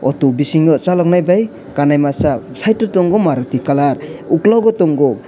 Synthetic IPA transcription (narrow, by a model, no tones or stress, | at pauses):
ɔt̪ubisiŋɔt͡ʃalɔknajbaj | kanajmasasajtːɔtɔŋɡɔmaɾɔt̪ikalaɾuklawɡɔt̪ɔŋɡɔ